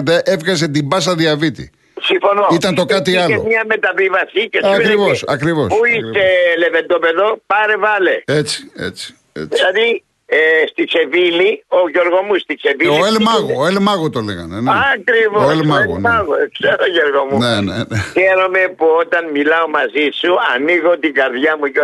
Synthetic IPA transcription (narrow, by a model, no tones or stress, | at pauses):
d̪eʔevɣɐz̬e̞t̪imbɐs̬ɐðiɐvit̪ḭ | siɱfonoit̪ɐnt̪o̞kɐt̪iɐleomɐmet̪ɐvivɐsicesɐkɾivosɐkɾivo̞spuist̪elevend̪opeðopɐɾevɐleet͡si̥ḛt͡si̥ | ḛt͡silɐði | st̪it͡ʃevilioʝeɾɣomust̪it͡ʃeviloielmɐɣoelmɐɣot̪olḛɣɐ̰neneɐkɾivooelmɐɣo̰nɐɣokseɾoʝeɾɣomuneneneçeɾome̞puot̪ɐnmilɐomɐzisuɐniɣot̪iɡɐɾðʝɐmujo